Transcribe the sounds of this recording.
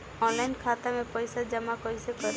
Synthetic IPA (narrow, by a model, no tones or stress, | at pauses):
ɔnlainkʰat̪amepɔjsad͡ʒəmakɔjsekɔɾ